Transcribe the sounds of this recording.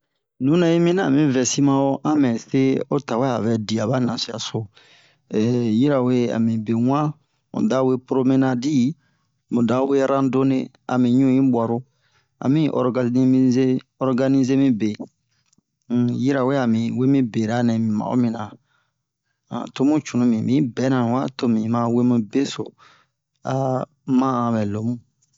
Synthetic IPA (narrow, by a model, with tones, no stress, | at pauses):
nũ˨˦nɛ̃˦i˦mĩ˦nã˦˨mĩ˨vɛ˨si˦mã˧o˦ʔã˦mɛ̃˨se˦o˦ta˨we˦a˨vɛ˨di˨a˨ba˦nã˨si˦a̰˨so˨ | ɛ˨ji˦ɾa˨we˦a̰˨mĩ˨be˨ŋʷ˦ã˦ | mṵ̃˨da˦we˦pɾo˧mĩ˦nã˧di˦ | mũ˨da˨˦we˦ɾã˦do˦ne˧ | a̰˨mĩ˨ɲũ˦˨jĩ˦bwa˨ɾo˦ | a̰˨mĩ˦ʔɔ̰˨ɾɡa˨ni˦mĩ˦ze˦ | ɔ˦ɾɡa˧nĩ˦ze˦mĩ˦be˨ | ji˦ɾa˨we˦a˨mĩ˨we˦mĩ˦be˨ɾa˨˦nɛ̃˨mĩ˨mã̰˨o̰˦mĩ˨nã˨ | a̰˨to˦mũ˦t͡ʃũ˨nũ˦mĩ˨mĩ˦bɛ˨˦nã˨wa˦to˦mĩ˨mã˧we˦mĩ˧be˦so̰˨ | a˨ | mã˦ã˨bɛ˨lo˨˦mũ˦